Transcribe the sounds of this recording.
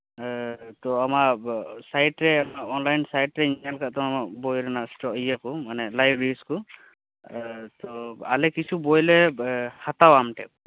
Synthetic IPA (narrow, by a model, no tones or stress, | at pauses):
t̪ɔamasajʈɹɛamaɔnlajnsajʈɹɛinalkaʔt̪ɔamakbɔjɾanastɔijakɔmanɛlajbɹeɹiskɔ | tɔalɛkisʰubɔjlɛhat̪awamʈɛ̰k̚